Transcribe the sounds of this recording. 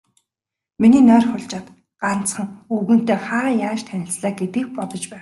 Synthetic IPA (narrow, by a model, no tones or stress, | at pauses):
miniːnœːrχʊɮt͡ɕaːt̪ | ɢ̥an̥t͡sχə̆ŋuɣɘ̆n̥t̪eːχaːjaːʃt̪ʰænʲɪ̆t͡sɮaːɡet̪ĭːk̚pɔt̪ɞ̆t͡ɕpæːŋ